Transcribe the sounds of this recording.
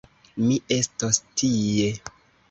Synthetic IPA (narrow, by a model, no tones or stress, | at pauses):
miʔe̞stostʰije̞